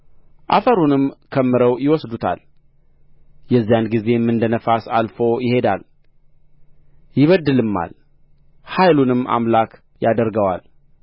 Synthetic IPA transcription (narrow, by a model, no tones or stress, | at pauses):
ʔa̰fəɾunɨmkʰəmːɨɾəwjɪwɔsd̪ut̪ʰa̰l | jɛzːijanɡize̞mːɨnd̪ənəfasalfo̞jɪhe̞d̪al | jɪβəd̪ːɨlɨmːa̰l | hajlunɨma̰mlak | jad̪əɾɡəwa̰l